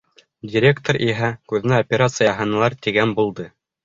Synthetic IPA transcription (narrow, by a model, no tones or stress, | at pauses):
dʲɪɾʲe̞kt̪oɾʔiɦækʉðɘ̆næopʲeɾat̪sɨjɑɦɤ̆nɤlˠɑɾt̪iɡænbulˠd̪ɤ